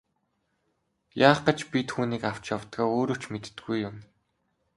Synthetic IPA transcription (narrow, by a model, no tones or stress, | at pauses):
jaːχɢə̆t͡ɕpʲit̪xuːniːkaw̥t͡ɕjawt̪ɡaːoːɾoːt͡ɕmet̪ːɡujːʊm